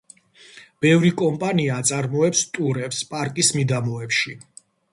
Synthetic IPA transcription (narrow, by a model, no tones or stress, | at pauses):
b̥ɛvɾikʼɔmpʼaniaːt̪sʼaɾmɔɛpst̪ʼuɾɛpspʼaɾkʼismid̪amɔɛpʃi